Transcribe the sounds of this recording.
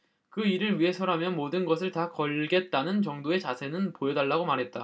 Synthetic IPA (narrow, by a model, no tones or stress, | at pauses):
kɯiɾɯɾɥiɦe̞sʰʌɾɦamjʌnmodɯnɡʌs̬ʰɯɭtakʌɭɡe̞t̚t͈anɯnt͡ɕʌŋdoe̞t͡ɕasʰe̞nɯnpojʌdaɭːaɡomaɾɦet̚t͈a